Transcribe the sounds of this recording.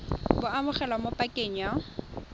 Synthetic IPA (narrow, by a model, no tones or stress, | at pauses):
bʊamʊχɛlamopʼakʼeɲa